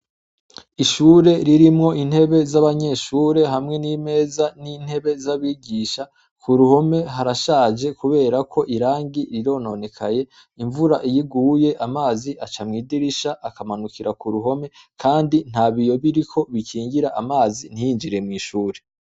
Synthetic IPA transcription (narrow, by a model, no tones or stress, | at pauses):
iʃuːɾe̞ɾiɾimŋo̞ʔin̥he̞βe̞zaβaɲe̞ʃuːɾe̞ɦamŋe̞nime̞ːzanin̥he̞βe̞zaβiːɡiʃa | kʰuɾuho̞me̞ɦaɾaʃaːd͡ʒe̞kuβe̞ːɾakʰo̞ʔiɾaːŋɡiɾiɾo̞no̞ne̞kʰaje̞ | iɱvuɾaʔijiɡuːje̞ʔamaːziʔat͡ʃamŋiːdiɾiʃaʔakamanukiɾakuɾuɦo̞me̞ | kʰaːndin̥haːβijo̞βiɾikʰo̞βikiːŋɡiɾaʔamaːzin̥ijiɲd͡ʒiɾe̞mŋiːʃuːɾe̞